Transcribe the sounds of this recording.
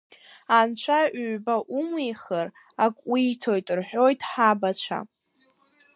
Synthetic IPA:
ant͡ɕʷʰaʔːbaʔumejχər | akʷʼwiːtʰo̞jtʼrħʷᶣo̞jtʼħabat͡ʃʷʰa̰

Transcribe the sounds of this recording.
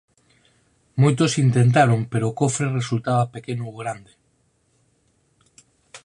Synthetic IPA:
mojt̪osint̪ent̪̬aɾoŋpeɾoːkofɾeresult̪aβapekenooɣɾand̪e

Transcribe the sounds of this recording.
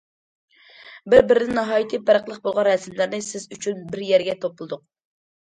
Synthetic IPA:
bɪɾbɪɾɪd̪ɪnɑɦɑːjit̪ʰɨpʰæɾəqlˠəq̚bolˠʁɑnɾɛsɪmlɪɾnɪsɪzyt͡ʃʰynbɪɾjɛɾɡʲɛt̪ʰopʊlˠɨd̪ʊq̚

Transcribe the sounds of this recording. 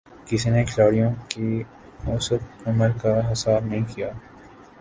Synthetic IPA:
kɪsinekʰɪlaːɽijõki | oːsəkɐməlkaɦɪsaːbnɐɦĩkijaː

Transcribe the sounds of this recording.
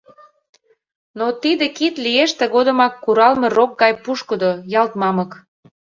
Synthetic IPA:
not̪id̪ekit̪lieʃt̪ĕɣod̪ə̆mɑkːuɾɑlmerok̚ɡɑjpuʃkəd̪ojɑlt̪mɑmək

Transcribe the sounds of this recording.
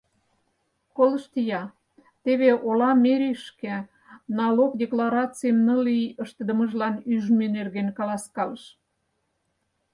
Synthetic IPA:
koləʃt̪ijɑ | t̪eβeʔolɑmeɾʲiʃke | nɑlokd̪ʲeklɑɾɑt͡sijmnəlijəʃt̪əd̪ə̆məʒlɑnyʒmynerɣenkɑlɑskɑləʃ

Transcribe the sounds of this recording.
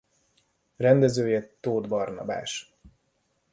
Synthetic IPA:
rɛnd̪ɛzøːjɛt̪ːoːd̪bɒrnɒ̰ba̰ːʃ

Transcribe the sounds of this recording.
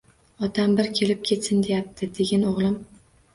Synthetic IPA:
ɒt̪ʰambɪɾkʲʰe̞lɪp̚kʲʰe̞t̪sɪnd̪e̞jap̚t̪ʰɪd̪e̞ɡʲanoʁlˠɪm

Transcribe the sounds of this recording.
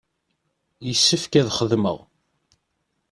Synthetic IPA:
jəsːəfkæðχəðmə̰ʁ

